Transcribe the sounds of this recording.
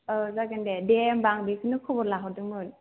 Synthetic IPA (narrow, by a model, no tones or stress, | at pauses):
ɯzaɡɯndedembaŋbikʰɯnɯkʰɔbɔlaɦɔdɯŋmɯn